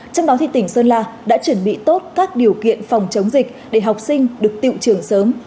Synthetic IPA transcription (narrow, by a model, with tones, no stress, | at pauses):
t͡ɕɔ˧wŋ͡mɗɔ˨˦t̪ʰi˨˩t̪ï˧˩ŋ̟səː˧nlaː˧ɗa̰ː˧˥t͡ɕwə˧˩nɓḭ˧˨t̪o˦˥t̚kaː˦˥k̚ɗi˨˩əwkḭ˧˨ənfa˨˩wŋ͡mt͡ɕə˨˦wŋ͡mzï˨˩k̟̚ɗe˧˩ɦa˨˩wk͡p̚sï˧ŋ̟ɗɨ˨˩ək̚t̪ḭ˧˨wt͡ɕɨ˧˩əŋsəː˨˦m